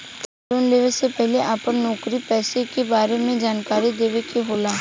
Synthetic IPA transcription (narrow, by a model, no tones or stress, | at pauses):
kaːʈuːnleːʋesepɛɦleʔaːpəɾnɔːkɾipɛːsekebaːɾemẽd͡ʒaːnkaːɾid̪eːʋekeɦoːlaː